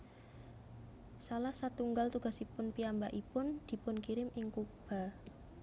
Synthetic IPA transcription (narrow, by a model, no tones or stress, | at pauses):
salahsat̪uŋɡalt̪uɡ̥a̤sipʊnpiambaʔipʊnd̪̥i̤pʊnkiɾɪmʔɪŋkub̥a̤